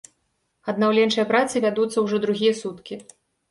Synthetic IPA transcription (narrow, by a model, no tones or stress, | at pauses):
ɐd̪̚nawlʲɛnt͡ʂɨjɐpɾat̪sɨvʲad̪ut̪sːɐwʐɔd̪ɾuɣʲijɐsut̪kʲi